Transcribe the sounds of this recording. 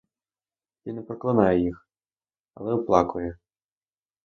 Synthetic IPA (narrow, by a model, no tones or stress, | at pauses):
tinɛpɾɔklˠɐnɑjɛjix | ɐ̰lˠɛʊplˠɑkʊjɛ